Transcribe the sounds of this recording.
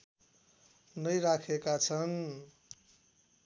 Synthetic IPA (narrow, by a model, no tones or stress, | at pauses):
nʌjɾakʰekat͡sʰʌn